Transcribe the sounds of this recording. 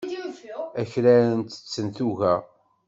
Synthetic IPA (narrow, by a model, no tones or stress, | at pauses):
æçɾæɾənt̪ə̥t͡sːənθuʝæ